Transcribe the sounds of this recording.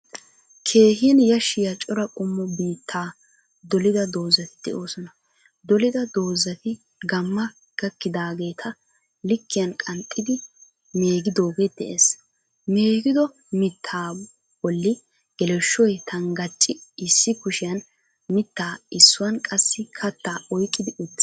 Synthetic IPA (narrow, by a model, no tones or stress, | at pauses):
kʰe̞ːɦɪɐnjɐʃɪjɐt͡ʃʼɔɾɐkʼʊmːɔbiːt̪ʰːaː | d̪ɔlɪd̪ɐd̪o̞ːzːɐt̪ɪ̥d̪̥ɛ̰ʔo̞ːsɔnɐ | d̪ɔlɪd̪ɐd̪o̞ːzːɐt̪ɪ | ɡɐmːɐ | ɡ̥ɐkːɪd̪aːɡe̞ːt̪ʰɐ | lɪkːɪjɐnkʼɐnt̪ʼːɪd̪ɪ | me̞ːɡɪd̪o̞ːɡed̪̥ɛ̰ʔes | meːɡɪd̪ɔ | mɪt̪ʰːaː | bɔlːɪ | ɡ̥ɛlɛʃːɔjt̪ɐŋɡɐt͡ʃʼːɪɪsːɪkʊʃɪjɐn | mɪt̪ːaːɪsːʊwɐnkʼɐsːɪkʰɐt̪ːaːʔɔjkʼːɪd̪ɪʔʊd̪ːɪ̥